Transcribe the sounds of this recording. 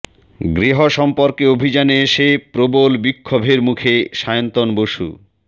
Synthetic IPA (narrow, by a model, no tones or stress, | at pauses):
ɡɾiɦoʃɔmpoɾkeobʱid͡ʑaneeʃepɾobolbikʰːobʱeɾmukʰeʃajont̪onboʃṵ